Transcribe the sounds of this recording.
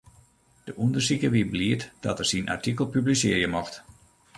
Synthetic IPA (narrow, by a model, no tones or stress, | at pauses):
d̥əʔundərsikəʋibliətd̥ɔtərsinʔa̰rtikəlˠpyblisɪərjəmɔxt